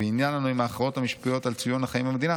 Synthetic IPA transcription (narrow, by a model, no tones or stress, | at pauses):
einjanlanuimaːχʁao̞t̪hamiʃpijo̞t̪alt͡sujo̞naχaimamed̪ina